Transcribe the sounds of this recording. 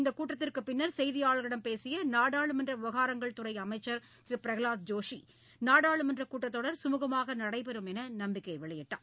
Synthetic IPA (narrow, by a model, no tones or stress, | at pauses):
ɪnd̪ɐkuːʈːɐt̪ːɪrkɯpːɪnːɐɾsɛjðɪjaːɭɣɐɽɐmpeːsɪjɐnaːɽaːɭɯmɐndrɐʊʋɐɣaːɾɐŋɡɐɭt̪ʊrɐɪɐmɐɪt͡ʃːɐɾ | t̪ɪɾɯpɪɾɐɣɪɭaːt̪̚d͡ʒoːʂi | naːɽaːɭɯmɐndrɐkuːʈːɐt̪ːoːɽɐɾsʊmuːɣɐmaːɣɐnɐɽɐɪpɛɾɯmɛnɐnɐmbɪkːɐɪʋɪɭɐjɛʈːa̰ːm